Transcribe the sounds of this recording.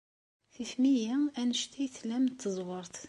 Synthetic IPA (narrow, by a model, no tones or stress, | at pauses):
θifmijæænəʃt̪æjθlæmt̪ːəzˤwəɾˤθ